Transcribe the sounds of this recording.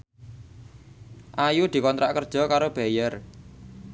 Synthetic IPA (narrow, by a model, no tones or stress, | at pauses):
ʔajud̪̥i̤kɔnt̪ɾaʔkərd̥ʒ̥ɔ̤kaɾob̥ɛ̤jər